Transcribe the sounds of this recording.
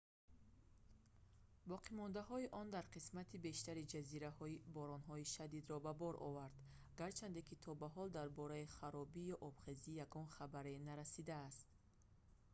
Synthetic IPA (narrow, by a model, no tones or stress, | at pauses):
bɔqʰimɔnd̪aɦɔiʔɔnd̪aɾqʰismat̪ʰibe̞ʃt̪aɾid͡ʒaziɾahɔibɔɾɔnɦɔiʃad̪id̪ɾɔbabɔɾʔɔ̰vaɾd̪ | ɡaɾt͡ʃʰand̪ekʰit̪ʰɔbaɦɔld̪aɾbɔɾaiχaɾɔbijɔʔɔbχezijaɡɔnχabaɾenaɾasid̪aːst̪̚